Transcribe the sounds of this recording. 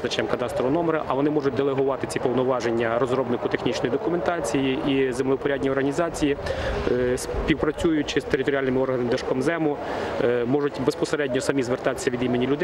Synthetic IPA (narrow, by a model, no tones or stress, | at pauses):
t͡ʃɐmkɐt̪ɑst̪ɾɔʋnɔmeɾɐʔɐʋɔnɪmɔʐʊt̚ʲd̪elˠeɦʊʋɑt̪ɪt͡sʲipɔwnɔʋɑʒenʲːɐɾɔzɾɔbnɪkʊt̪exnʲit͡ʃnɔjid̪ɔkʊment̪ɑt͡sʲijiizemlʲˠɪwpɔɾʲadʲnʲiɔrɦɐnʲizɑt͡sʲiji | sʲpʲiwpɾɐt͡sʲujʊt̚ʲt͡ʃɪst̪eɾɪt̪ɔɾʲialʲnɪmɪɔrɦɐnemɪd̪ɐʃkɔmzɛmʊ | mɔʒʊtʲbespɔseɾɛdʲnʲɔsɐmʲizʋert̪ɑt̪ɪ̥sʲːɐʋʲid̪imenʲilʲʊd̪